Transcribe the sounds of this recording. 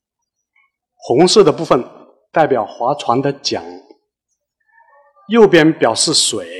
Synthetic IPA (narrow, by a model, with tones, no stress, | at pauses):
xʊ˧˥ŋʂɤ˥˩d̪ə˩pu˥˩fə˩n | t̪a˥˩ɪpjɑ˨˩ʊxwa˧˥t͡sʰwa˧˥nd̪ə˧t͡ɕjɑ̰˨˩˦ŋ | jo˥˩ʊpjɛ˥˩npjɑ˨˩ʊʂɻ̩˥˩swe˨˩˦ɪ